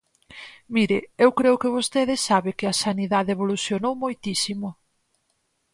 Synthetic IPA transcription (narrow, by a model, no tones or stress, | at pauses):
miɾɪewkɾeʊkɪβ̞ost̪eðɪsaβɪkɪɐsaniðaðeβoluθjonowmojt̪isimʊ